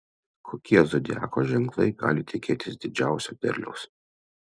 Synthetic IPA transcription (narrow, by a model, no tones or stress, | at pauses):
kʰoːkʲiɛzɔd̪ʲæ̰ːkoːʒʲɛŋklˠɐɪɡɑ̰ːlʲɪt̪ʲɪkʲeːt̪ʲɪsd̪ʲɪd͡ʒʲæˑʊsʲoːp̪ʲɛ̰ɾʲlʲɛ̰ʊs